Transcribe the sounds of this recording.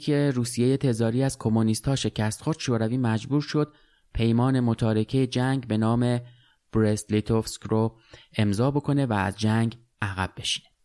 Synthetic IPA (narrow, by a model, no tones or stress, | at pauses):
kʰeɾuːsije̞je̞t̪ʰe̞zɒːɾiːæz̥kʰo̞monist̪hɒːʃe̞cʰæst̪xo̞ɾd̪̥ʃoːɾæviːmæd͡ʒbuːɾʃo̞d̪̚ | pʰe̞jmɒːne̞mot̪ʰɒːɾe̞cʰe̞jed͡ʒæŋɡbe̞nɒːme̞ | b̥ɾeslit̪ʰofskro | e̞mzɒːbo̞kʰo̞ne̞væ̰ːzd͡ʒæŋɡ | ʔæɣæbːe̞ʃi̥ne